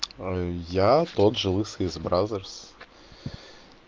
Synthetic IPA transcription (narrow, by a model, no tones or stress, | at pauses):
jat̪ot̪ʐɨlˠɨsəɪzbɾazərs